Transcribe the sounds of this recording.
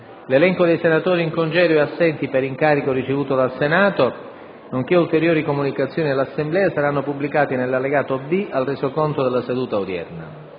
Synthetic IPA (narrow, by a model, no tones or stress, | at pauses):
lelɛŋkod̪ejsenat̪oːɾiiŋkond͡ʒɛːɾoeasːɛnt̪ipeɾiŋkaːɾikorit͡ʃevuːt̪od̪alsenaːt̪o | noŋk̟eult̪eɾjoːɾikomunikat̪sːjoːnid̪elasːemblɛːasaɾanːopublikaːt̪inelːalːeɡaːt̪obialrezokont̪od̪elːased̪uːt̪aud̪jɛ̰rna̰